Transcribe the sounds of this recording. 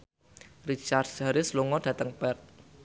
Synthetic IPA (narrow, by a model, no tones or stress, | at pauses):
rit͡ʃard̚d͡ʒaɾɪsluŋɔd̥ä̤t̪əŋpɛrt̪̚